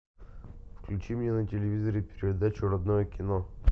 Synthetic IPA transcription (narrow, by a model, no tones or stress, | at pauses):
fklʲʉt͡ɕimʲnʲenətʲɪlʲɪvʲizəɾɨpʲɪɾʲɪəd̪at͡ɕʊɾɐd̪nojəkʲɪno